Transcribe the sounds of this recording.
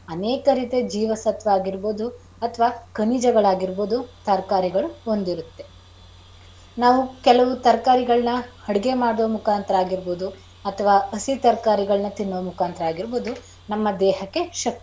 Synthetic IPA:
ɐnɛːkɐɾiːt̪e̞d͡ʒiːʋɐsɐt̪ʋɐaːɡiɾboːd̪u | ɐt̪ʰɐʋaːkɐnid͡ʒɐɡɐɭaːɡiɾboːd̪ut̪ɐɾkaːɾiɡɐɭuond̪iɾut̪ːe̞ | naːʋukɛlɐʋut̪ɐɾkaːɾiɡɐɭnɐhɐɽiɡe̞maːɽoːmukaːnt̪ɾaːɡiɾboːd̪u | ɐt̪ʰɐʋaːɐsit̪ɐɾkaːɾiɡɐɭɐnɐt̪inːoːmukʰaːnt̪ɐɾɐaːɡiɾboːd̪u | nɐmːɐd̪ɛːɦɐkːe̞ʃɐk̚t̪i

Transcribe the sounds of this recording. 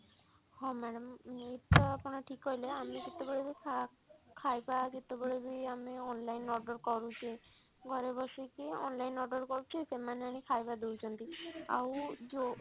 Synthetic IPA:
hɔ̃mɛɽɔmet̪ɔapɔɽ̃ɔʈʰikɦɔɦjleamekit̪ebeɭebikʰa | kʰajbakit̪ebeɭebʱiameɔnlainɔɾɖɔɾkɔɾut͡ʃʰe | ɡʱɔɾebɔʃikeɔ̰nlajnɔɾɖɔɾkɔɾut͡ʃʰesemaneam̃ikʰajbad̪ewt͡ʃʰɔnt̪ia̰wd͡ʒo

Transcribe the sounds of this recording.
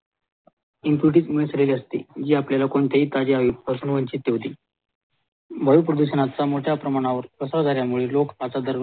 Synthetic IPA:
impuʈ̬iːt͡smeɭsleliəst̪ḭd͡ʑiːapljalakoɳt̪eɦiːt̪ad͡ʑeaʋipəɾsunʋəɲt͡ɕit̪̚ːeɦot̪iː | bʱəjupɾəd̪uɕənat͡samoʈʰjapɾəmaɽ̃aʋəɾpəsad͡z̪aɾjamuɭelokat͡sad̪əɾʋ

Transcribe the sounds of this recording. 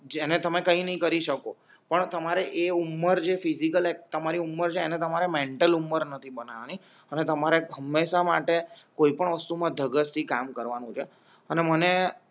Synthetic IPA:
d͡ʒenet̪əmekəĩnəɦĩkəɾiʃəko | pəɳt̪əmaɾeʔeumːəɾd͡ʒefizikəlek̚t̪əmaɾiumːəɾt͡ʃʰeːnet̪əmaɾemeɳʈəlumːəɾnət̪ʰibənaʋani | ənet̪əmaɾeɦəmːeʃama̰ʈekoipəɳʋəst̪umãd̪ʱəɡəst̪ʰikamkəɾʋanũt͡ʃʰe | əneməne

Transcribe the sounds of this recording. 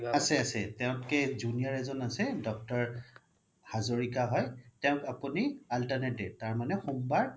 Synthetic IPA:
asɛasɛtɛʊ̃tkɛzunijaɹɛzɔnasɛdɔk̚tɔɹ | hazoɹikaɦɔjtɛʊ̃kapunialtanɛtɛtaɹmanɛxumbaɹ

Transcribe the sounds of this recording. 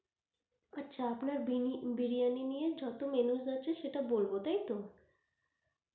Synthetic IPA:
atːɕʰaapnaɾbiɾijaninijed͡ʑɔt̪omenuʃdaːt͡ɕʰeʃeʈabolbot̪ajt̪o

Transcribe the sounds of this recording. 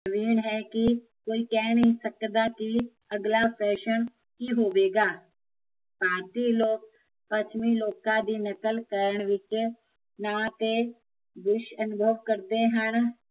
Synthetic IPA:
əʋiːnɦɛki | koːikɛːnɦĩsəkd̪aki | ɐɡlasɛːʃəñ | kiɦoːʋeːɡaː | paːɾt̪iloːk̚ | pət͡ʃʰmiloːkãd̪inəkəlkəɾəɳ̃ʋɪkjə | nak̪e | d̪ʊʃənʊbʱəʋkəɾt̪eɦañ

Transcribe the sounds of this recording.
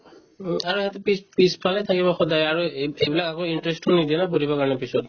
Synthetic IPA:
aɹueɦat̪ɔpipispʰalɛjt̪ʰakibɔxɔdajaɹuejbilakakoinʈɹesʈunid̪iɛnapoɾibɔkaɹnɛpisɔt̪

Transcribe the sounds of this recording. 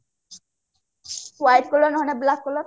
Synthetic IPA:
wajʈkolonɔɦɔneblakːolo

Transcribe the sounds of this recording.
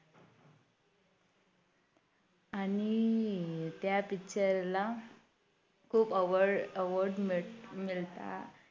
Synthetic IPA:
añi | t̪japikɕəɾla | kʰuːpəʋəəʋəɾɖmmilt̪a̰

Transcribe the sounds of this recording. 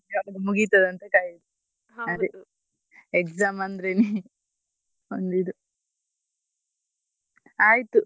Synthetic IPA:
ɐlɐɡemuɡit̪ɐd̪ɐnt̪ekaːjid̪u | ɐd̪i | ekzaːmɐnd̪ɐɾeni | ond̪id̪u | aːjt̪u

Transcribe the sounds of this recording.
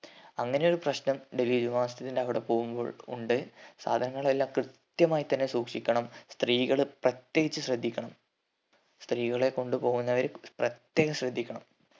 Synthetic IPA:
ɐŋːɐne̞joɾuprɐɕnɐmɖeliːd͡ʑuʋaːst̪ɐðindeɐʋiɽe̞po̞ːɣumbo̰ɭṵɳɖɨsa̰ːd̪ʱɐnɐŋːɐɭelːakrɨt̪jɐmaːjit̪ːɐnːesuːkʂikʲːɐɳɐmst̪riːɣɐɭprɐt̪je̞ːɣit͡ɕːɨɕrɐd̪ʱːikʲːɐɳɐm | st̪riːɣɐɭe̞ko̞ɳɖupo̞ːɣunːɐʋɐɾprɐt̪je̞ːɣɐmɕrɐd̪ʱːikʲːɐɳɐm

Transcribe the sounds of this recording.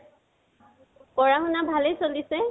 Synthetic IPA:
kɔɹaɦunabʱalejsolisɛ

